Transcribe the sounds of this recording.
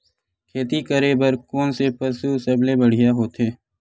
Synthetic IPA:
kʰeːt̪ikəɾebəɾkoːnsepəsusəblebəɽ̤ɪjaɦoːt̪eː

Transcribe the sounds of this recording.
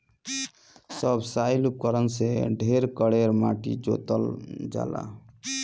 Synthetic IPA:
səbsajlup̚kəɾənseɖʱeɾkəɽeɾmaʈḭd͡ʒo̰t̪ə̰ld͡ʒa̰la̰

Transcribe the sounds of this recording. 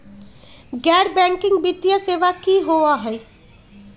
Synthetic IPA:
ɡɛːɽbɛ̃ːŋkɪ̃ŋɡ̚bit̪ijaseːʋakiɦoaɦɛi

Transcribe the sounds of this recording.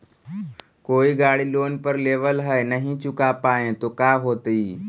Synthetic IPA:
koːiɡaːɽiloːnpəɾleːʋəlɦɛenəɦĩt͡ʃʊkapaːẽt̪oːkaːɦoːt̪iː

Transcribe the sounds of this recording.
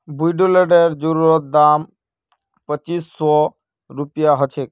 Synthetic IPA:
bujɖoleɖeɾd͡ʑuɾuɾot̪̚d̪am | pət͡ɕisːɔ | ɾupijaɦɔt͡ɕʰe

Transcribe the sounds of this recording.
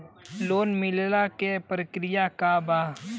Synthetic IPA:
loːnmɪllakepɾəkɾɪjakaba

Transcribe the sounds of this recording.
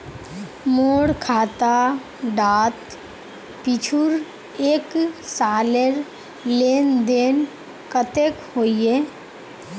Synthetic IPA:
moːɽkʰaːt̪a | ɖaːt̪ | pit͡ʃʰuɾ | eːksaːleɾ | leːnd̪eːn | kət̪ekhoːieː

